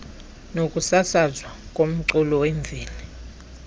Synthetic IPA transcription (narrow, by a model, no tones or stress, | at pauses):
nokʼusasazwakʼom̩ǀulɔweɱb̪vʱiːlɛ